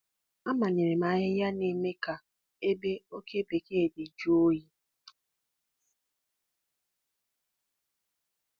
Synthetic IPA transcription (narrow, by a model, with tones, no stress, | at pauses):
a˦ma˨ne˨ɾe˨ma˨ɲɪ˦ja˦ne˦me˦ka˨ | e˦be˦o˦ke˦be˨ke˦˨de˨d͡ʒu˦o˦ji˦